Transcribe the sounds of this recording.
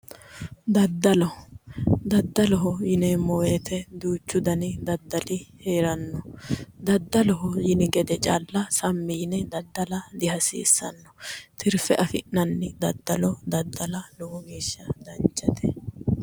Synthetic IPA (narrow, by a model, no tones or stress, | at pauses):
d̪ɐd̪ːɐlɔ | d̪ɐd̪ːɐlɔɦɔjɪnɛmɔweːt̪ʰɛd̪uːt͡ʃːʊd̪ɐnɪd̪ɐd̪ːɐlɪheːɾɐnːɔd̪ɐd̪ːɐlɔɦɔjɪnɪɡɛd̪ɛt͡ʃʼaːlːɐsɐmːinɛd̪ɐd̪ːɐlɐd̪ɪɦɐsḭːsːɐnːɔ̥t̪ʰɪɾfɛʔɐfɪʔɐnːɪd̪ɐd̪ːɐlɔd̪ɐd̪ːɐlɐlɔhɔɡiːʃːɐd̪ɐnt͡ʃʼːɐt̪ʰɛ